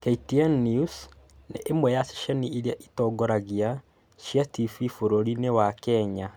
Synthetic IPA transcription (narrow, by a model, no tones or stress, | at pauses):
keitiɛnːius | nḛʔemwɛjasi̥ʃaniiɾiaʔitɔːɡɔɾaɣia | ʃjatififoɾoɾinewakɛɲa